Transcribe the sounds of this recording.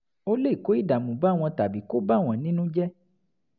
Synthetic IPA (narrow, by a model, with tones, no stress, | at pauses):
o˦le˦˨ko˨˦i˦˨da˨mũ˨ba˦˨w̃ɔ̃˧ta˨bi˨˦ko˦ba˦˨w̃ɔ̃˨nĩ˦nũ˦d͡ʒɛ˦